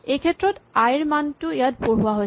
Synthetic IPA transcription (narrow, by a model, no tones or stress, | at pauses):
ekʰetːɹɔtajɹmantʊejatpoɹɦuwaɦoj